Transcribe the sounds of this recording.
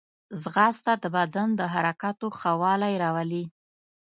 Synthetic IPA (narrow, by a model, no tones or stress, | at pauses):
zɣɑst̪ad̪əbad̪and̪əɦaɾakɑt̪oxawɑlajɾɑwali